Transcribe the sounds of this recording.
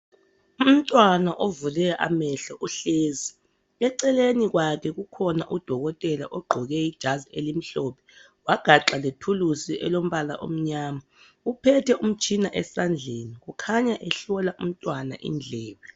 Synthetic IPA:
um̩tʼwanaʔovulɛʔa̰mɛɬɔʔuɬeːzi | ɛǀɛleniɣwakʰɛɣukʰɔna̰ʔud̥ʱɔɣɔtʼɛla̰ʔɔɡ͡ǃʱɔɣɛid̥ʒ̥ʱazielim̩ɬɔpʰɛ̥ | waɡ̥ʱaǁaletʰulusiʔɛ̰lom̩βala̰ʔo̰m̩ɲaːma | upʰɛtʰɛʔum̩t͡ʃʰʼinaʔɛsand͡ɮʱeːniɣukʰaɲaʔɛɬɔlaʔum̩tʼwana̰ʔḭnd͡ɮʱɛːβɛ

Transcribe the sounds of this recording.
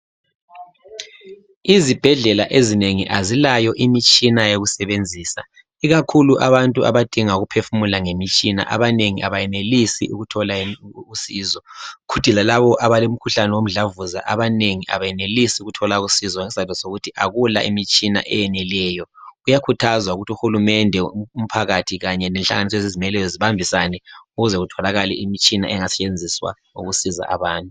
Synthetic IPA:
izib̥ʱɛɮɛlaʔezineŋiʔazilajɔʔimit͡ʃʼinajeɣusɛβend͡zʱiːsa̰ | iɣakʰuluʔaβantʼuʔa̰βad̥ʱiŋauɣupʰefumulaŋemit͡ʃʼina̰ʔa̰βaneŋiʔaβajɛnelisḭʔuɣutʰɔlausiːzɔkʰud̥ʱilalaβɔʔaβalom̩kʰuɬanɛwom̩ɮavuza̰ʔaβaneŋiʔa̰βajɛnelisiuɣutʰɔlaɣusizɔŋɛsizantɔsoɣutʰiʔaɣula̰ʔimit͡ʃʼina̰ʔɛ̰jɛnɛlɛːjɔujakʰutʰazwauɣutiuxulumɛndʱɛum̩pʰaɣatʰiɣaɲɛnɛnɬa̰ŋanis̬ɔezizimɛlɛjɔziβambʱisanɛuɣuzɛɣutʰɔlaɣalɛ̰imit͡ʃʼina̰ʔɛŋasɛ̥t͡ʃʼend͡zʱiswa̰ | ṵɣusiza̰ʔa̰βaːntʼu

